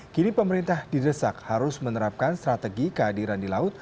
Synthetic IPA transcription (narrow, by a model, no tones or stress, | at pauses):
kinipəməɾint̪ahdidəsak̚haɾʊsmənəɾap̚kanst̪ɾat̪əɡikəɦadiɾandilaʊt̪̚